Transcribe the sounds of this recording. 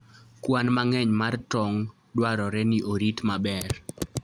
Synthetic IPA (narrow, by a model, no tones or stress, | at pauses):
kwanmaŋɛɲmartɔŋ | dwaɾɔɾɛniʔoɾitmabɛr